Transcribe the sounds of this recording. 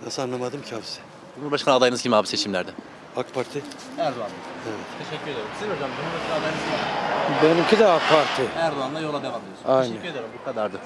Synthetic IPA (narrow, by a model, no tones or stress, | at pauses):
nasɯanˠamad̪ɯmcʰaːfisɪ̥ | d͡ʒumuɾbaʃkʰanad̪ajɯnɯzɡʲɟʰʲimiaːbiset͡ʃʰimlʲæɾd̪ɛ | akpʰaɾt̪ʰi | æɾd̪oand̪aevɛt̪ʰeʃɛcʲʰːyɾed̪eɾimsiod͡ʒamd͡ʒumuɾbaʃkanad̪ajɯnɯzimbenimcʰid̪ɛak̚pʰaɾt̪ʰiæɾd̪oand̪ajolˠad̪evamejosaejnʃɛɛcːyɾed̪eɾimbukʰad̪aɾd̪a